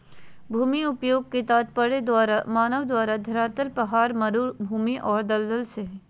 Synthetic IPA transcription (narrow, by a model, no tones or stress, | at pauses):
bʱuːmiʊpjoːɡ̚ket̪aːt̪̚pɐɽeɾmaːnəʋd̪waːɾad̪ʱɐɾaːt̪əlpɐɦaːɾmɐɾubʱuːmiʔɔːɾd̪ɐld̪əlse